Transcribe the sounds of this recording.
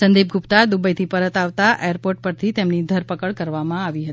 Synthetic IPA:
sənd̪ib̚ɡʱʊpt̪ad̪ubəjt̪ʰipəɾət̪aʋt̪aʔejəɾpoɾʈ̚pəɾt̪ʰit̪emnid̪ʱəɾpəkəɭkəɾʋamãaʋiɦət̪i

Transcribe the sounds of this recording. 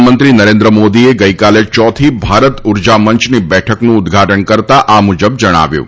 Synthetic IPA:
mənt̪ɾinəɾẽnd̪ɾəmod̪ieɡəikalet͡ʃɔt̪ʰibʱaɾət̪ʊɾd͡ʒaməɲt͡ʃnibɛʈʰəknũʊd̪ɡʱaʈəɳkəɾt̪aʔamud͡ʒəbd͡ʒəɽ̃a̰ʋjṵ̃

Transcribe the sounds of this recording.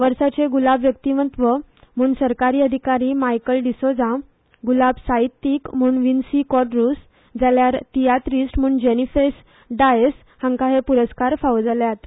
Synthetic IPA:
ʋəɾsat͡ɕeɡulabʋjək̚t̪imənt̪ʋə | m̤uːɳsəɾkaɾiːəd̪ʱikaɾiːmajkəlɖisod͡zã | ɡulabsait̪ːikm̤uːnʋinsikɔɖɾus | d͡zaljaɾt̪ijat̪ɾisʈm̤uːɳd͡ʑenifes | ɖajes | hãŋkaɦepuɾəskaɾfaʋd͡zaljat̪

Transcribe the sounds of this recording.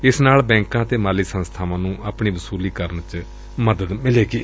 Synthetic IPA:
ɪsnaːlbɛ̃ːŋkãːt̪eːmaːliːsənst̪ʰaːʋãːnũːʔaːpɳiːʋəsuːliːkəɾənt͡ʃ | məd̪əd̪mɪleːɡiː

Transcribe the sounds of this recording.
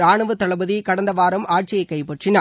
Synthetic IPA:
aːɳɐʋɐt̪ːɐɭɐbɐðikɐɽɐnd̪ɐʋaːɾɐmaːʈ̚t͡ʃɪjɐɪkːɐɪpɛʈrɪnaː

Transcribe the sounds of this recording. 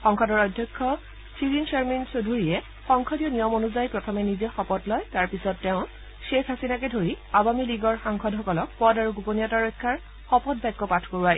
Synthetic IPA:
xɔŋkʰɔdɔɹɔjdʱjɔkʰːɔ | siɹint͡ʃeɹminsodʱuɹiɛ | xɔŋkʰɔdiɔnijɔmonuzajpɹɔtʰɔmɛnizɛxɔpɔtlɔjtaɹpisɔtːɛʊ̃ | ʃekɦasinakɛdʱoɹi | abamiliɡɔɹxaŋkʰɔdɦɔkɔlɔk̚pɔdaɹuɡuponijataɹɔjkʰːaɹ | xɔpɔd̚bajkːɔpatʰkoɹaj

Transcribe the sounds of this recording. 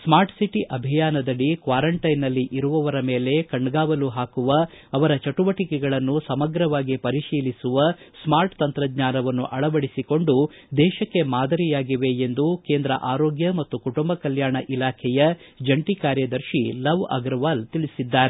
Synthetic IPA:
smaːɾʈsiʈiʔɐbʱijaːnɐd̪ɐɭːikʋaːɾɐɳʈɐjnɐlːiʔiɾuʋɐʋɐɾɐmeːle̞kɐɳɖɡaːʋɐluɦaːkuʋɐːʋɐɾɐt͡ʃɐʈuʋɐʈikɛɡɐɭɐnːusɐmɐɡɾɐʋaːɡipɐɾiʃiːlisuʋɐsmaːɾʈt̪ɐnt̪ɾɐd̪ɲaːnɐʋɐnːṵʔɐɭɐʋɐɽisiko̞ɳɖu | d̪ɛːʃɐkːe̞maːd̪ɐɾijaːɡiʋe̞end̪ukeːnd̪ɾɐ̰ʔaːɾoːɡjɐmɐt̪ːukuʈumbɐkɐljaːɳɐʔilaːkʰɛjɐ | d͡ʒɐɳʈikaːɾjɐd̪ɐɾʃilɐʋɐ̰ɡɾɐʋaːlt̪iɭisid̪ːaːɾe

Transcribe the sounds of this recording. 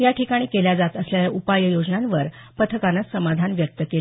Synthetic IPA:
jaʈikaɽ̃iːkeljad͡zat̪əsljaaʔupajəjod͡ʑnanʋəɾ | pət̪ʰəkanasəmad̪ʱanʋjək̚t̪əkela

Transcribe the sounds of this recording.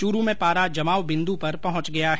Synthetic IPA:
t͡ʃuɾumẽpaːɾad͡ʒɐmaːwbɪ̃nd̪upɐɾpɐɦʊ̃t͡ʃɡɐjaɦ

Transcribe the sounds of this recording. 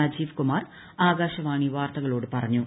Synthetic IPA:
ɐd͡ʑiːʋkumaːr | aːɡaːɕɐʋaːɳiʋaːrt̪ɐɣɐɭo̞ːɽɨpɐrɐɲːu

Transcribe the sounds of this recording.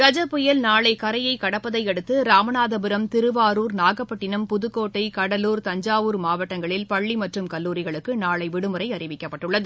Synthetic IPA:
ɾɐd͡ʒɐpːʊjɐlnaːɭɐɪkɐɾɐjɐɪkɐɽɐpːɐðɐɪɛɽɯt̪ːɯɾaːmɐnaːðɐbɯɾɐmt̪ɪɾɯʋaːɾuːɾnaːɣɐpːɐʈːɪnɐmpʊðɯkːoːʈːɐɪkɐɽɐluːɾt̪ɐɲd͡ʒaːʋuːɾmaːʋɐʈːɐŋɡɐɭɪlpɐɭːimɐʈrɯmkɐlːuːɾɪɣɐɭɯkːɯnaːɭɐɪʋɪɽɯmɯɾɐɪɐrɪʋɪkːɐpːɐʈːɯɭːɐðɯ

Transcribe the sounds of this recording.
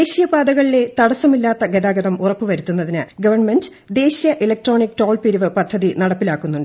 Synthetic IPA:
eːɕijɐbaːd̪ɐɣɐɭile̞t̪ɐɽɐsɐmilːaːt̪ːɐɡed̪aːɡɐðɐmurɐpːɨʋɐɾut̪ːunːɐðinɨɡɐʋɐrɳmend | d̪e̞ːɕijɐʔilɐk̚ʈro̞ːnikːʈro̞ːlpiɾuʋɨpɐd̪ʱːɐðinɐɽɐpːilaːkːunːuɳɖ

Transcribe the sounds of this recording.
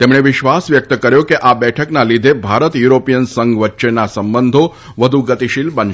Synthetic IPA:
t̪emɳeʋɪʃʋasʋjək̚t̪əkəɾjokeʔabɛʈʰəknalid̪ʱebʱaɾət̪juɾopijənsəŋɡʋətːʃenasəmbənd̪ʱo | ʋəd̪ʱuɡət̪iʃilbən

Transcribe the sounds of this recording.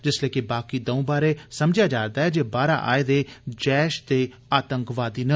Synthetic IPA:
d͡ʒɪslɛːkebaːkiːd̪əũːbaːɾeːsəmd͡ʒjaːd͡ʒaːɾd̪aːɦɛːd͡ʒeːbaːɾa̰ːʔa̰ːeːd̪eːd͡ʒɛːʃd̪eː | aːt̪əŋkʋaːd̪iːnə

